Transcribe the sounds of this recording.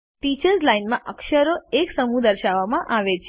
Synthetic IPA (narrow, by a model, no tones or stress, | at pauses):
ʈit͡ʃəɾzlainmãʔəkʃəɾoeksəmũd̪əɾʃaʋːamãʔaʋet͡ʃʰ